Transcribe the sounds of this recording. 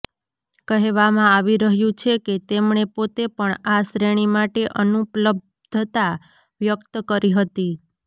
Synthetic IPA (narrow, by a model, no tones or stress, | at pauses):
kəɦeʋamãaʋiɾəɦjũt͡ʃʰeket̪emɳepot̪epəɳasɾeɽ̃imaʈeʔənupləb̚ | d̪ʱət̪a | ʋjəkt̪əkəɾiɦət̪i